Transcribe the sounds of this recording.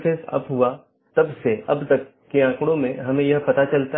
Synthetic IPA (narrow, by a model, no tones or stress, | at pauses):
feːsɐ̰pɦua | t̪ɐbseɐbt̪ɐkːiãːkɽ̃õmẽɦɐmẽjɐɦpɐt̪at͡ʃɐlt̪a